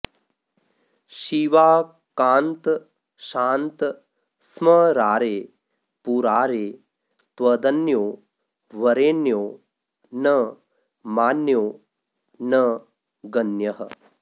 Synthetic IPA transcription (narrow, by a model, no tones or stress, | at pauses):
ʃiʋaː | kaːnt̪ | ʃaːnt̪ | smɐɾaːɾeː | puːɾaːɾeː | t̪ʋɐd̪ɐnjoː | ʋɐɾeːnjoː | nɐ | maːnjoː | nɐ | ɡɐnjɐɦɐ̰